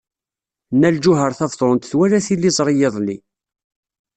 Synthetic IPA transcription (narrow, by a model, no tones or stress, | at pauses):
nːæld͡ʒʊɦəɾˤθɑvðˤɾʊnt̪θwæɾæθilːizˤɾˤɪjəðˤli